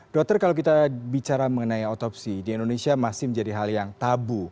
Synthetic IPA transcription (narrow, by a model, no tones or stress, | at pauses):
d̥ɔk̚t̪ərkalowkit̪abit͡ʃaɾaməŋənaiot̪ɔpsidiːndonesiamasɪhməɲd͡ʒadiɦaljaŋt̪abu